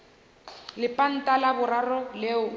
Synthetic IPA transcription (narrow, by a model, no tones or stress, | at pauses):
lɪpʼan̩tʼalabʊɾarɔlɛʊ